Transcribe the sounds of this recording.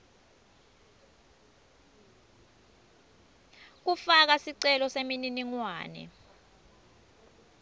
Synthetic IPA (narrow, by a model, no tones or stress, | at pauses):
k̬ufak̬asiǀɛlɔsemininiŋwa̰ːnɛ̰